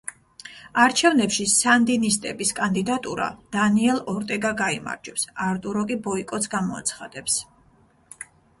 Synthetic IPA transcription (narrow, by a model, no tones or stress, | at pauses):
aɾt͡ʃʰɛvnɛpʃisand̪inist̪ʼɛbiskʼand̪id̪at̪ʼuɾa̰d̪̥aniɛlˠɔɾt̪ʼɛɡaɡaima̰ɾd͡ʒɛpsaɾt̪ʼuɾɔkʼibɔikʼɔt̪sʰɡamɔa̰t̪sʰχad̪̥ɛps